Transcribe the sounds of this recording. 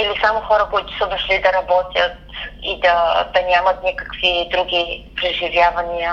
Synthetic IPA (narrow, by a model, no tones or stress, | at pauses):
ilisamʊxɔɾɐkoit̪ʊ̥sɐd̪oʃlid̪ɐɾɐbɔt̪ʲjət̪̚ḭd̪ɐd̪ɐnʲamɐt̪nʲikə̥kvid̪ɾuɡʲipɾɛʒivʲjavɐnʲijə